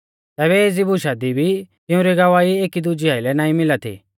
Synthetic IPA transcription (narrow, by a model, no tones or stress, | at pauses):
t̪ɛːβɛeːd͡zibuʃad̪ibʱit̪ɪ̃ʊ̃ɾɛɡɐʋaːieːkid̪ʊd͡ʒiaːilɛnãːĩmɪlat̪ʰḭ